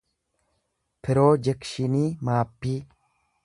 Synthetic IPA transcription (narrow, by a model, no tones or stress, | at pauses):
pʰɪɾoːd͡ʒɛkʃɪniːmaːpːiː